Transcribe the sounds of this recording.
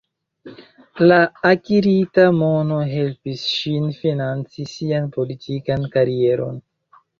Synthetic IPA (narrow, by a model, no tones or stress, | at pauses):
laːkiɾitamo̞no̞ɦe̞lpisʃinfinant͡sisianpo̞litʰikankaɾie̞ɾo̞̰n